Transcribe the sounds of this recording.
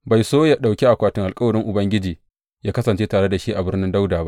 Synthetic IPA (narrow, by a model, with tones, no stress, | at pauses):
ba˨jsoː˦ja˨ɗa˨wkʲe˦ʔa˨kʷaː˨tɪ˦ŋʔa˨lkʼɐ˦wɐ˨ɽɪ˦ŋʔʊ˨bɐ˦ŋɡʲɪ˦d͡ʒiː˨ | jaː˦kɐ˦sɐ˨nt͡ʃeː˦taː˨ɽe˦da˨ʃi˦ʔa˨bɪ˦rnɪ˦nda˦wdaː˨ba˦ʔʔ